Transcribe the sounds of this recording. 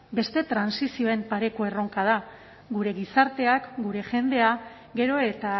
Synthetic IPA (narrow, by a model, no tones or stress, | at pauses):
be̞st̪e̞t̪ɾansisio̞e̞mpaɾe̞ko̞e̞ro̞ŋkað̞a | ɡuɾe̞ɣisaɾt̪e̞akɡuɾe̞ʝe̞nd̪e̞a | ɡe̞ɾo̞e̞t̪a